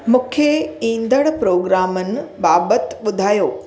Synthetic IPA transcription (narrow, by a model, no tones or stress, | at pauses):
mʊkʰːjeĩːnd̪əɽ̃pɾoːɡɾaːmən̆baːbət̪ɓʊd̪ʱaːjoː